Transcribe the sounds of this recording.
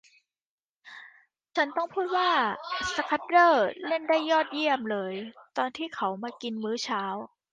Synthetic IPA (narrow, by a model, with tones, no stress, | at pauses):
t͡ɕʰa˦˥nt̪ɔ˥˩ŋpʰuː˥˩t̪̚waː˥˩sa˧kʰa˦˥t̪̚ɾɤː˥˩le˥˩ndaː˥˩jːɔː˥˩t̪̚ji˥˩əmlɤː˧jt̪ɔː˧nt̪ʰiː˥˩kʰa˩˦wmaː˧ki˧nmɯː˦˥t͡ɕʰaː˦˥w